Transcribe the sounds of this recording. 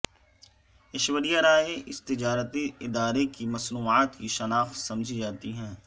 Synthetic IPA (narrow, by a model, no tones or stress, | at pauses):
ɪʃʋəɾijaɾaːeʔɪst̪ɪd͡ʒaːɾət̪iɪd̪aːɾekimɐsnuːaːt̪kiʃɐnaːfsɐmd͡ʒʱid͡ʒaːt̪iɦɛ̃ː